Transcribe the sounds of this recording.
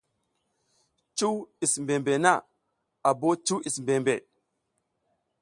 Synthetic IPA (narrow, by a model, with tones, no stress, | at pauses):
t͡ʃu˦wi˨smbe˨mbe˨na˦˨ | a˨bo˦t͡ʃu˦i˨smbe˨mbe˨